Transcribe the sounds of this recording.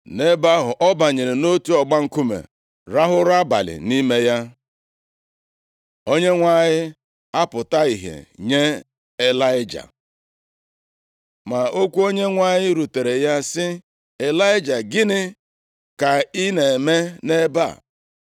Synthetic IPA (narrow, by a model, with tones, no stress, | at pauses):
ne˦ba˦ɦʊ˨ʔɔ˦ba˨ɲe˨ɾe˨no˦tu˦ɔ˨ɡ͡ba˦ŋ̩˦ku˦mḛ˨ | ɾa˦ɦʊ˦ɾa˦ba̰˨lɪ̰˨ni˦me˦ja˦ | o˦ɲe˦ŋʷa˦˨ɲɪ˦ | a˦pʊ˨ta˦i˨ɦḛ˨ɲe˦ | e˨la˦ɪ˦d͡ʒa̰˨ | ma˨o˦kʷu˦o˦ɲe˦ŋʷa˦˨ɲɪ˦ɾu˨te˨ɾe˨ja˦sɪ˦ | e˨la˦ɪ˦d͡ʒa˨ɡɪ˦nɪ˦ | ka˨i˦ne˨me˦ne˦ba̰˦˨